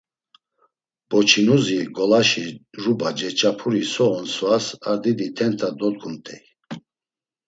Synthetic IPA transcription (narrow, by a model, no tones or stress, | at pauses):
b̥ɔt͡ʃʰinuziɡɔlaʃiɾubad͡ʒɛt͡ʃʼapʰuɾisɔɔnsvasaɾd̪id̪it̪ʰɛnt̪ʰad̪ɔd̪̚ɡʰumt̪ʼʰɛj